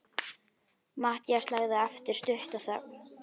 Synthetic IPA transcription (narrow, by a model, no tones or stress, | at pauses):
maːht̪jaslaːɣðɪɛft̪ɪɾ̥st̪ʏht̪aθa